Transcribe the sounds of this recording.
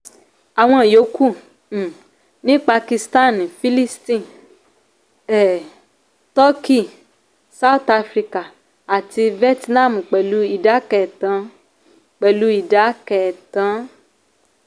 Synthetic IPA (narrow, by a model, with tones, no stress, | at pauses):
a˨w̃ɔ̃˧˦˨jo˨˦kũ˦˨ | nĩ˨˦k͡pa˧ki˧sta˦˨n˨fi˦li˦stĩ˦˨ | ɛ˨ | tɔ˦ki˦˨ | sa˦u˦ta˧fɾi˧ka˨ | a˨ti˧vi˦ɛ˦tnã˦˨mu˨k͡pɛ˨lu˦i˦˨da˨˦kɛ˨tã˨˦ | k͡pɛ˨lu˨˦i˦˨da˨˦kɛ˨tã˨˦